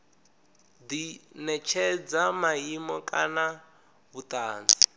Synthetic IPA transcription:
d̪inɛt͡ʃʰɛd͡zamaimɔkʼana | βut̪aːnd͡zi

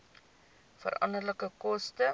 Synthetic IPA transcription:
fə̰ɾɐ̰ndərləkəkɔstə

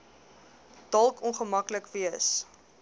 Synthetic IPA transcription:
d̥ɐlˠkɔnχəmɐkləkviəs

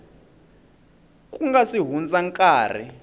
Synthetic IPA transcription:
kʼuŋɡasiɦund͡zʼaŋkʼaːr̤ɛ̰

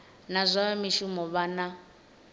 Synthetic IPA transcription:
nazʷaamiʃumɔβana

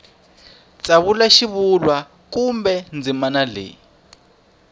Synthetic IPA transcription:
t͡sʼaβulaʃiβulwa | kumbɛnd͡zimanalḛː

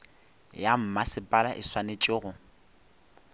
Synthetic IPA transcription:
jam̩masɪpʼalaʔɪswanet͡ʃʼɪɣʊ

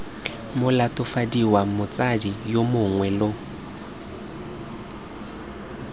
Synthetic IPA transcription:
mʊlatʼʊfadiwamʊt͡sʼadijomʊŋwɛlo

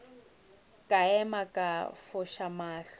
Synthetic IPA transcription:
kʼaɛmakʼafʊʃamaːɬ

